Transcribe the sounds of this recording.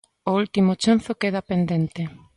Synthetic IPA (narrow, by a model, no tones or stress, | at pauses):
oult̪imʊt͡ʃan̟θokeðapend̪ent̪e